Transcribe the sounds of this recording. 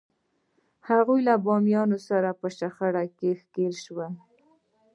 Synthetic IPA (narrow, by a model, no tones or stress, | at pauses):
haɣujlabɑmjɑnosaɾapəʃaxaɽakexkelʃwa